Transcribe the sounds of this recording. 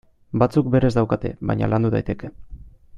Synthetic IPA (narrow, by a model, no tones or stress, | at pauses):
bat͡sukbe̞ɾe̞zd̪awkat̪e̞̰βa̰jɲa̰lʔand̪uða̰jt̪e̞ke̞